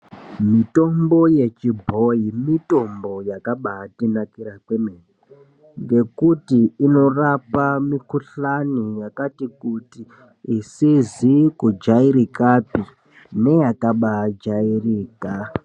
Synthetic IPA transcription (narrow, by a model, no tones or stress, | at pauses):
mito̞mbo̞je̞t͡ʃibʱo̞imito̞mbo̞jakaɓaːtinakiɾakwemeri | ŋɡe̞kutiːno̞rapamikuɬanijakatikutiː | sizikud͡ʒaiɾikapi | ne̞jakaɓad͡ʒairiːka